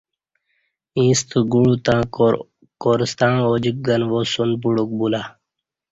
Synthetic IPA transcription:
ĩːst̪uɡuɽut̪ãː | koːɾist̪ãːoːd͡ʑik̚ɡɐnʋosunp̬uɽuk̚bulaː

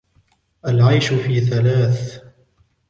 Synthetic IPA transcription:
ʔalʕajʃʊfiːθalaːθ

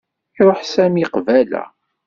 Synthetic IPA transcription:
iɾˤoħsæmiqvælæ̰

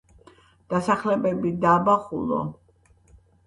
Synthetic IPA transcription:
d̪̥asaχlɛbɛbid̪abaχulɔ̰

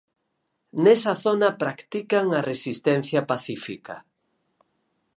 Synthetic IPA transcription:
nɛsɐθonɐpɾakt̪ikaŋɐresist̪ɛn̟θjɐpaθifika̰

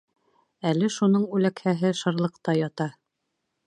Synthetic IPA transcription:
ælɘʃunɤɴʉlækhæɦɘʃɤ̆ɾlˠɤ̆qt̪ɑjɑt̪ɑ

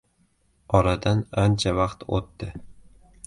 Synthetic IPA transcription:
ɒɾad̪anant͡ʃʰavaqt̪o̰t̪ːɪ

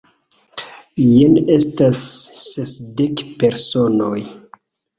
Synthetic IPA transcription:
jenestasːesdekpe̞ɾso̞noj

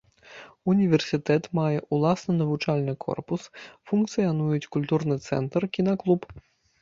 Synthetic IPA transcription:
unʲivʲɛrsʲɨt̪ɛt̪majɛʔulˠasnɨnɐvut͡ʂalʲnɨkʰɔ̰rpusfunkt̪sɨjanujut͡sʲkulʲt̪urnɨt̪sɛ̰nt̪rkʲinaklˠup

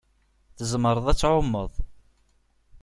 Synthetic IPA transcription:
θəzəməɾˤəðˤæt͡sːʕomːə̰ðˤ

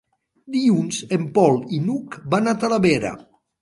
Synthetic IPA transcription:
d̪iunzempɔlˠinukbanat̪alaβeɾa̰

